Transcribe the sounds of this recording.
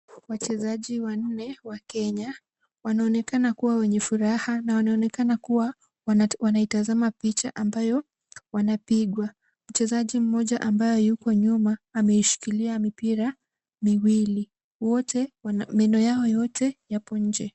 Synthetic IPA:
wat͡ʃɛzaʄiwan̩nɛwakɛɲa | wanaɔnɛkanakuwawɛɲɛfuɾahanawanaɔnɛkanakuwa | wanaitazamapit͡ʃaʔambajɔ | wanapiɠwa | m̩t͡ʃɛzaʄim̩mɔʄaʔambajɔjukɔɲumaːmɛiʃi̥kiliamipiɾa | miwili | wɔtʰɛwmɛnɔjaɔjɔtʰɛjapɔɲ̩d͡ʒɛ

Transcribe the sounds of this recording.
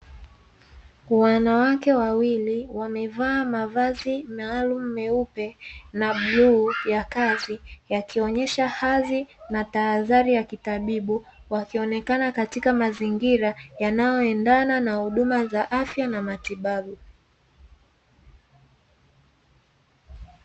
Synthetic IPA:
wanawakɛwawiliwamɛvaːmavazimaːlumumɛupɛnaɓlujakazijakiɔɲɛʃahazinataːðaɾijakitaɓiɓuwakiɔnɛkanakatikamaziŋɡiɾajanajɔɛndananahuɗumazaʔafjanamatiɓaɓu

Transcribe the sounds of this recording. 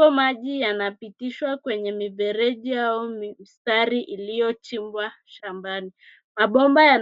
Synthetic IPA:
ɔmaʄijanapitiʃwakwɛɲɛmivɛɾɛʄiaumm̩staɾiʔilijɔt͡ʃimbwaʃambani | maɓɔmbajan

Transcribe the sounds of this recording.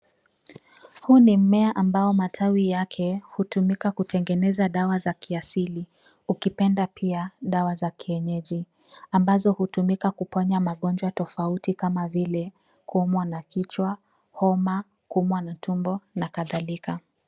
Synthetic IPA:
hunim̩mɛaʔambaɔmatʰawijakʰɛhutumikakutɛŋɡɛnɛzaɗawazakiasili | ukipɛndapʰiaɗawazakiɛɲɛʄi | ambazɔhutumikakupaɲamaɠɔnd͡ʒwatɔfautikamavilɛ | kuumwanakit͡ʃwa | hɔma | kuumwanatʰumbɔnakaðalika

